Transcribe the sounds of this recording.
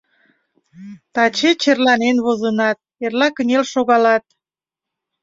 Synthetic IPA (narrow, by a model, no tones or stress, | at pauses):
t̪ɑt͡ɕet͡ɕerlɑnenβozənɑt̪̚erlɑkənʲelʃoɣɑlɑt̪̚